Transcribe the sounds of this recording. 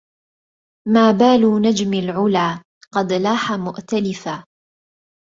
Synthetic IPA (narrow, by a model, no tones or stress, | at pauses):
maːbaːluːnad͡ʒmalʕʊlaː | qɑd̪laːħamʊʔt̪alɪfa